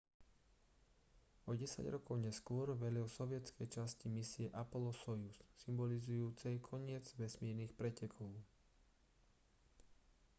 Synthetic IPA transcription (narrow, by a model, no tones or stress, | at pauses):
ɔɟɛsa̰ɟɾɔkɔʊɲɛskʊɔɾʋɛlɔsɔʋɪɛt͡skɛjt͡ʃascimisɪɛʔapɔlɔsɔjusːimbɔlizujuːt͡sɛjkʰɔɲɪɛd͡zʋɛsmiːɾnixpɾɛcɛkʰɔʊ